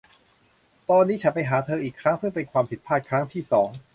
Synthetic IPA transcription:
t̪ɔː˧nːiː˦˥t͡ɕʰa˨˩pa˧jɦaː˩˦t̪ʰɤː˧ʔiː˨˩kʰɾa˦˥ŋsɯ˥˩ŋpe˧nkʰwaː˧mpʰi˨˩t̪̚pʰaː˥˩kʰɾa˦˥ŋt̪ʰiː˥˩sɔː˩˦ŋ

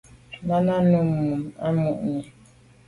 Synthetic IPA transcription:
na˦na˦nu˦m̩˨mu˨ma˦mu˨ʔɲe˨

